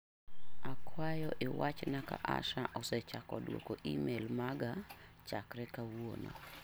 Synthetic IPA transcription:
akwajɔʔɪwat͡ʃnaka̰ʔa̰ʃaʔɔsɛt͡ʃakɔdwo̰koʔimelmaɡat͡ʃakɾɛkawono̰

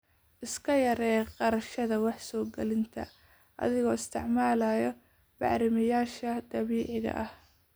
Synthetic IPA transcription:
ʔɪskʰɐjɐɾɛːqɑɾɐʃɐðɐwɑħsɔːɡɐlɪnt̪ʰɐ̰ | ʔɐ̰ðɪɣɔːɪst̪ʰɪʕmaːlaːjɔ | b̥ɑ̰ʕɾɪmɪjaːʃɐd̪̥ɐβiːʕɪɣɐ̰ʔɐh

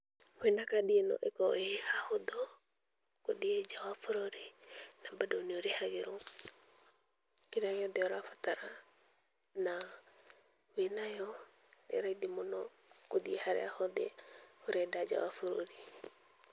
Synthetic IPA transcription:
wɛnakaɗiɛnɔ̰ʔɛkɔehahɔd̪ɔ | koɗiɛd͡ʒawafɔɾɔɾinabadɔnioɾehaɣeɾɔ | kiɾaɣɛɔd̪ɛɔɾafat̪aɾa | na | wenajɔ | ɛ̰ɾaid̪imɔnɔ | kod̪iɛhaɾɛ̰ahɔd̪ɛ̰oɾɛdad͡ʒa̰wafuɾɔ̰ɾi

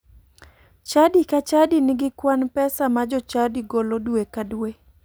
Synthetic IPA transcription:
t͡ʃadikat͡ʃadinɪɡɪkwanpɛsamad͡ʒɔt͡ʃadiɡolodwekadwe

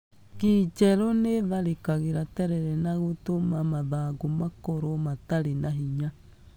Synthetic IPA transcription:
kit͡ʃɛɾoneðaɾekaɣeɾatɛɾɛɾɛnaɣotomamaðaɡomakoɾomataɾenaɦiɲa

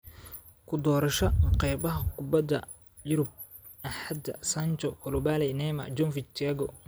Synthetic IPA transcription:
kʰʊd̪ɔːɾɐʃɐqɛjbɐɦɐkʰʊbɐd̪ɐ̰ | jʊɾʊb̚ | ɐħad̪ɐ̰sɐnt͡ʃɔkʰʊlʊbaːlɛnɛːmɐ̰d͡ʒɔnfit͡ʃaɡɔ

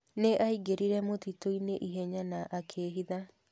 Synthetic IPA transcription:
neʔaiɡeɾiɾɛmotitoineʔiɦɛɲanaʔakʰeːɦiða

